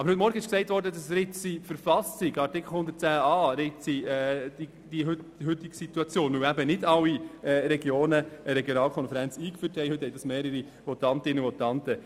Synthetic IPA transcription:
ɑb̥əɾhɵtmɔɾɡəɪʃksɛɪtʋɔɾdədɑsɾɪt͡sifəɾfɑsɪɡɑɾtɪkʰl̩ˠhʊnd̪ətt͡sæːɑːɾɪt͡siɛdi | d̥iɦʏtɦʏtːɪɡsit̪uɑt͡sjoːnuæbənɪdɑwːiɛɾɛɡjoːnəəɾɛɡjonɑːlkʰɔnfəɾænt͡siːkfyːthɛɪhɵthɛɪd̥ɑsmeːɾəɾi | ʋɔt̪ɑntɪnəuvɔtɑntə

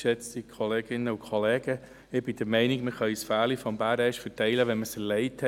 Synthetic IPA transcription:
ʃɛt͡stikʰoleːɡ̥ɪnːəukʰχolɛːɡə | ɪb̥ɪd̥əɾmɛɪniɡməχœʏsfæːlifɔmbæːɾɛɪʃfətɛɪləʋɛnməsɛɾleɪthɛ

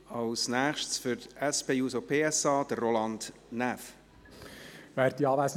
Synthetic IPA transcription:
ɑʊsnæːχʃtsfʏɾt̪ɛspeːjuːsopʰeːɛsɑːd̥ərːolɑnd | næf | væːɾd̪iɑːʋæs

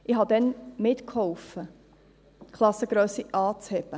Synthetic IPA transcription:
ʔɪɦɑd̪ɛnmɪt̪khɔwfə | kʰχlˠɑsəɡɾœːsiʔɑːt͡shɛb̥ə

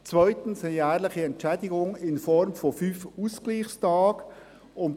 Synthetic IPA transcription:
t͡svœʏtn̩sɛjæːʁlɪχəɛntt͡ʃɛdɪɡʊŋɪnfɔɾmfɔfyːfuskliːxstʰɑːɡ | ʊn

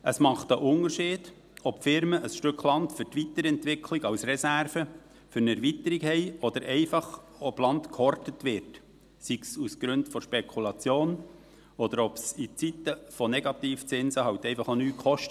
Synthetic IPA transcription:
əsmɑχt̪əʔʊnəɾʃiːd̥ | ɔpfɪɾməʔəsʃtʏkχlɑntfʏɾtʋit̪əɾɛntʋɪkʰliɡɑwsrɛsæɾfə | fʏɾnɛɾvit̪əɾikhɛɪɔd̪̥əɾʔɛɪfɑχ | ɔblɑnt̪kʰɔrtət̪ʋɪrt | siksusɡ̥ɾɵndfɔʃpɛkʰulɑt͡sjoːn | ɔd̥̪əɾɔpsit͡sit̪əfɔnɛɡɑt̪iːft͡sɪnsəɦɑwt̪ɛɪfɑχonyːkχɔʃtə

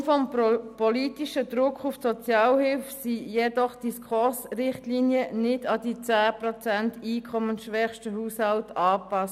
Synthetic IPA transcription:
fɔmpɔlitiʃədɾʊkʰufsɔt͡sjɑːlhɪlfsijɛdɔχd̥iskʰχʊsrɪχtliːniənɪdɑd̥it͡sæːprɔt͡sɛntiːkʰɔmənsʃʋɛχʃtəhuːshaltɑːpɑs

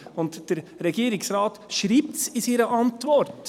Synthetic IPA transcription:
ʊntd̥ɛɾɾɛɡ̥iːɾɪksɾɑːtʃɾiːp̚tsɪsiːɾəʔɑntvɔɾt

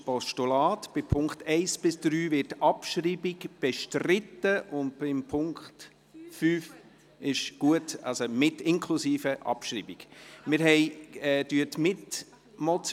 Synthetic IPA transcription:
pɔʃtulɑːtb̥ɪpʰʊŋktɛɪsb̥ɪsd̪̥ɾyːvɪtɑpʃɾiːbɪɡb̥ɛʃtrɪtːəʔʊnd̚b̥ɪmpʰʊŋkt | fyːf | ɪʃɡ̥uətɑ̰lsomɪtɪŋkʰlusiːfəʔɑ̰pʃɾiːbiɡ̥mɪɾɦɛɪɛːd̥yətmɪt | mɔt͡s

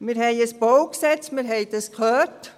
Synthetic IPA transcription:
mɪːɾhɛɪəsbɔwksɛt͡stmɪɾɦɛɪd̥ɑskʰœːrt

